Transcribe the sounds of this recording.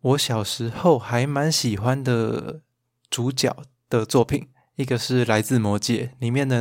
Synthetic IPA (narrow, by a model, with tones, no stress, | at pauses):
wɔ˧˦ɕjɑ˨˩ʊʂɻ̩˧˥xo˥˩ʊxa˧˦˥ɪma˧˦nɕi˨˩xwa˦nd̪ə˨ | t͡su˨˦t͡ɕjɑ̰˨˩˦ʊ | d̪̥ə˨t͡swɔ˥˩pʰi˨˩˦n | i˥˩ɡə˨ʂɻ̩˥˩la˧˦ɪt͡sɹ̩˥˩mwɔ˧˥t͡ɕjɛ˧˩li˨˩mjɛ˥˩nd̪ə˨˩